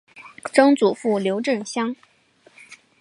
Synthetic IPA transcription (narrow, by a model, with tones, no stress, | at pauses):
ʈ͡ʂɤ˥ŋt͡su˨˩fu˥˩ljo˧˥ʊʈ͡ʂɤ˥˩ŋɕjɑ˥ŋ